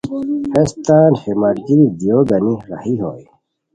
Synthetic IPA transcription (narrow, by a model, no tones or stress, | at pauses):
hest̪aːnhemaɾd͡ʑiid̪ijoːɡɐniɾɐ̰hiɦo̰ːj